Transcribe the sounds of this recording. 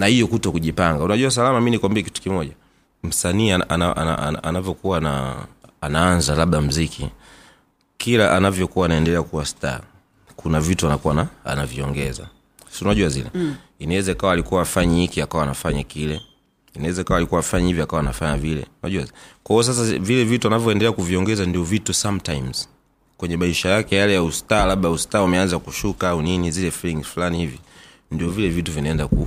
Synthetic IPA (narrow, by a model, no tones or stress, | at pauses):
nahijɔkutɔkuʄipaŋɡaunaʄuwas̬alamaminikambɛki̥tu̥kimɔʄa | m̩saniːaa̰naʔa̰naanavjɔkuwana̰ː | naanzalaɓɗam̩zikʰḭ | kilaʔanavjɔkuwaːnaɛndɛlɛakuwasta̰ | kunavituanakuwanaa̰naviɔŋɡɛza̰ | sunaʄuwazḭlɛ̰inawɛzakawaːlikuwaːfaɲahikiakawaːnafaɲakilɛ | inawɛzakawaːlikuwafaɲahivjɔakawanafaɲavilɛ̰una̰ʄuakwaɔs̬as̬avilɛvituanavjɔɛndɛlɛakuviɔŋɡɛzandiɔvitusamtajmz̥ | kwɛɲɛmaiʃajakɛjalɛjaustaːlaɓaustaːumɛanzakuʃukaauninizilɛfiliŋɡzfulanihivi | ndiɔvilɛvituvinaɛndaku